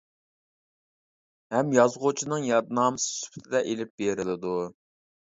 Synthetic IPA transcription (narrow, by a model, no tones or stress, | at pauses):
hɛmjɑzʁʊt͡ʃʰinɨŋjɑd̪nɑːmɨsɨ̥sy̥pʰɪ̥t̪ʰɪd̪ɛʔelɪp̚b̥eɾɪlɪd̪u